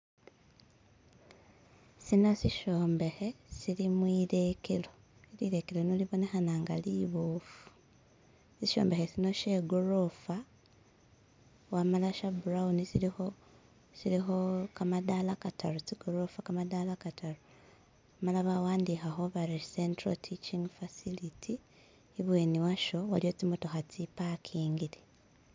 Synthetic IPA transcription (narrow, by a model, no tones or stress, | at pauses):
sino̞siʃo̞ːmbe̞xe̞silimwiːɾe̞kelo̞ | iliɾe̞kelonuliβo̞ne̞xanaːŋɡa̰liβofu̥ | siʃo̰ːmbe̞xesino̞ʃe̞ɡoɾo̞fa | wamalaʃabuɾaunisilio | silixokamadalakatʰalot͡siɡoɾofakamadalakataɾo | malaβawaːndixaxo̞βaɾisentrotʰit͡ʃiŋɡfasilitʰiː | βwe̞ːniwaʃo̞waljo̞t͡simutoxat͡sipakʰiːŋɡili